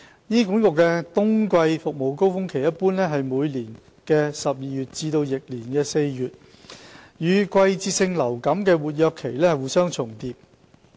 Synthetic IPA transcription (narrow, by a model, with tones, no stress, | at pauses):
niː˥kʊ˨˥ŋkʊ˨kːɛː˧t̪ʊ˥ŋkʷɐ˧jfʊ˨k̚mo˨wko˥wfʊ˥ŋkʰe˨˩jɐ˥t̚puː˥nlɛː˥ɦɐ˨jmuː˨˧jliː˨˩n | kɛː˧sɐ˨p̚jiː˨jyː˨t̚t͡siː˧t̪o˧wjɪ˨k̚liː˨˩nkɛː˧se˧jjyː˨t̚ | jyː˨˥kʷɐ˧jt͡siː˧sɪ˧ŋlɐ˨˩wkɐ˨˥mkɛː˧wuː˨˩t̚jœː˧kʰːe˨˩jlɛː˥hɐ˨jwuː˨˩sœː˥ŋt͡sʰʊ˨˩ŋt̪iː˧p̚